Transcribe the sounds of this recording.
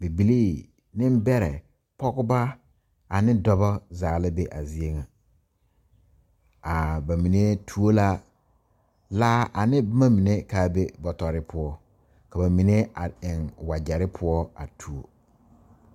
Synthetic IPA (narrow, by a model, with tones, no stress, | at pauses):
be˨bi˨li˦ | nɪ̃˦m˦bɛ˦ɾɛ̰˨ | pɔ˦kʊ˦ba˦ | a˨nɪ̃˦dɔ˦bɔ˦zaː˨la˦be˦ʔa˨zi˦e˦ŋa˨ | a˨ba˨mĩ˨ne˦tʰu˦o˦la˦ | laː˦ʔa˨nɪ˦ma˦mĩ˨ne˦kaː˦be˦bɔ˨tɔ˨ɾɪ˦pʰʊ˦ɔ˦ | ka˨ba˨mi˨ne˦a˨ɪ˨ŋwa˨d͡ʒɛ˨ɾɪ˦pʰʊ˦ɔ˦a̰˨tʰu˨o˨